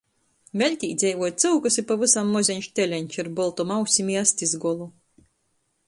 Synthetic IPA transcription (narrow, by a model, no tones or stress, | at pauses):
vʲɛlʲt̪ʲiːd̪zʲɛjvuɔt̪̚t̪sɨwkɨsipavɨsamːɔzʲɛɲʲʃt̪ʲɛlʲɛnʲt͡ʃiɾbɔlˠt̪ɔmawsʲimʲiasʲt̪ʲizɡɔlˠu